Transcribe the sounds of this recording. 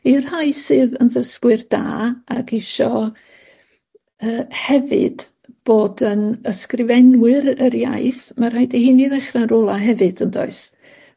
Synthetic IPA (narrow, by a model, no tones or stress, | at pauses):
ir̥hajsɨːðənðəskwɨrd̥a̰ːakɪʃɔ | əːhɛvɨ̰d̥ | b̥oːdənəskrɪvɛnwɨɾəɾja̰jθmarhajdehiːniðɛχranɾɔlˠaɦɛvɨd̥əndɔ̰ɨs